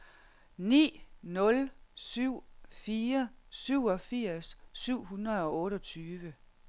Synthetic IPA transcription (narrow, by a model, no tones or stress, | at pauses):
nḭːnɔ̽lsyʊ̰fiːɐsyʊ̰ɒfiɐ̰sːyʊ̰ɦunʁɐðˠɒ̽ɔ̽ːɾɒt͡sʰyːʋə